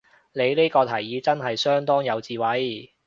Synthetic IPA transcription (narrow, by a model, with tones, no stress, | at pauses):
ne˨˧jliː˥kɔː˧t̪ʰɐ˨˩jːiː˨˧t͡sɐ˥nɦɐ˨jsœː˥ŋt̪ɔː˥ŋjɐ˨˧wt͡siː˨˧wɐ˨˥j